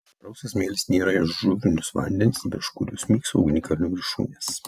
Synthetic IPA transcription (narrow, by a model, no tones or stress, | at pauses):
ɾɐʊsʲosmʲeːlʲɪsnʲeːɾɐɪʃʒʊɾʲɪnʲʊsʋɐ̰nʲd̪ʲɛnʲɪsbʲɛʃkʊɾʲʊːsmʲiːksɐ̰ʊɡʲɪnʲɪkɐlʲɪnʲuːɡʲɾʲɪʃṵːnʲeːs